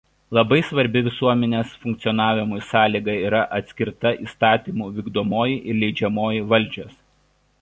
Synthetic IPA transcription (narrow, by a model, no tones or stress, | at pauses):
lˠɐbɐɪsʋɐɾʲbʲɪʋʲɪsuɔmʲɛnʲeːsfʊŋkt̪sʲɔnɑːʋʲɪmʊjsɑːlʲiːɡɐiːɾɐʔɐt̪ʲsʲkʲɪɾt̪ɐʔiːst̪ɑːt̪ʲiːmuːʋʲiːɡd̪oɔmoːjiʔɪɾlʲɛɪd͡ʒʲɛmoːjiʋɐlʲˑd͡ʒʲoːs